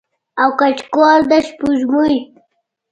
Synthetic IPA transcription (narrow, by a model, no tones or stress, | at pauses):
awkat͡ʃkwaɾd̪aʃpuʒmuj